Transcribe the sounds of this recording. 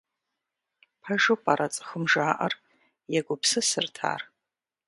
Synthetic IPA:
pʰɐʒopʼaɾʔɐt͡sʼɨ̥xəmʒaːʔɐr | jɛɡʷʊpsɨsɨrtʰa̰ːr

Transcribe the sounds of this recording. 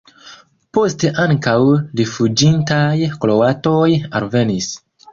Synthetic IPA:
po̞ste̞ʔaŋkawɾifud͡ʒintajklo̞wato̞ja̰lve̞nis

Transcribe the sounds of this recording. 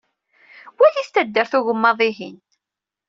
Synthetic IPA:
wæθist̪æd̪ːəɾθuʝəmːɑðˤiɦin

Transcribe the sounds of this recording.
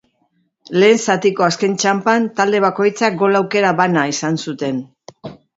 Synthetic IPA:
le̞ːnsat̪iko̞aske̞nt͡ʃampant̪ald̪e̞β̞ako̞jt͡sak̚ɡo̞lawke̞ɾaβanaisansut̪e̞n

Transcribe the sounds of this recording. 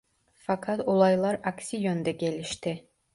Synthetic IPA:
fɑkʰɑt̪olˠɑjlˠɑɾaksijond̪ɛɡʲelʲiʃt̪ɪ

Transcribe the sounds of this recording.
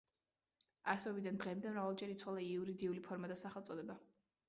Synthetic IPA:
aɾsɛbid̪and̪ʁɛmd̪ɛmɾavalˠd͡ʒɛɾit̪sʰwalˠaiuɾid̪iulipʰɔɾmad̪asaχɛlˠt̪sʼɔd̪ɛba

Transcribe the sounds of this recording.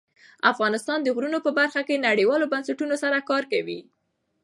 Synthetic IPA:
afɣɑnɪst̪ɑnd̪əɣɾunopəbaɾxakenaɽiwɑlobansaʈunosaɾakɑɾkawi

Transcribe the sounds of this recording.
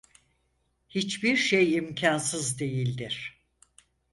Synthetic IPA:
hit͡ʃbiɾʃejimcʰansɯzd̪e̞jilʲd̪iɾ̝̥

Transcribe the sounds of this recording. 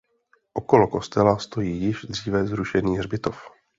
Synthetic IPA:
ʔo̞ko̞loko̞st̪ɛlast̪o̞jiːjɪʒd̪r̝iːvɛzɾuʃɛniːrbɪt̪o̞f

